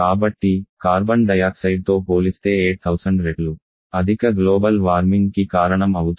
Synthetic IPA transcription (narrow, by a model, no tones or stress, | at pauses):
kaːbɐʈːikaːɾbɐɳɖɐjaːksɐjɖ̚t̪o̞ːpoːlist̪e̞ːeːʈ̚t̪ʰɐwsɐɳɖɾeɖlu | ɐd̪ʱikɐɡloːbɐlʋaːɾmiŋɡkikaːɾɐɳɐmɐwut̪